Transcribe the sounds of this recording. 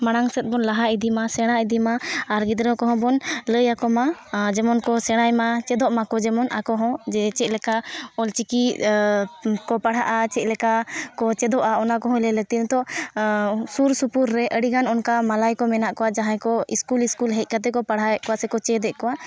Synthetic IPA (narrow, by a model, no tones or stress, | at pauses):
maɽ̃aŋsɛt̪̚bɔnlaɦaid̪imasɛɽ̃aid̪imaːɾɡid̪ɾəkɔɦɔ̃bɔnləjakɔmad͡ʒɛmɔnkɔsɛɽ̃ajmat͡ʃɛd̪ɔʔmakɔd͡ʒɛmɔnʔakɔɦɔ̃d͡ʒɛt͡ʃɛc̪̚lɛkaɔlt͡ʃiki | kɔpaɽ̤ɦa̰ʔat͡ʃɛc̪̚lɛkakɔt͡ʃɛd̪ɔʔaɔnakɔɦɔ̃lɛlək̚t̪int̪ɔ | suɾsupuɾːɛʔəɽiɡanɔnkamalajkɔmɛnaʔkɔwaʔd͡ʒaɦãjkɔiskuliskulɦɛc̚ˀkat̪ɛkɔpaɽ̤ɦakɔwasɛkɔt͡ʃɛd̪ɛʔkɔwaʔ